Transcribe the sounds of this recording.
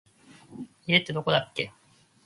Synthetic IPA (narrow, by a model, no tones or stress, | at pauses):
iet̪ːe̞d̪o̞ko̞d̪akːe̞̰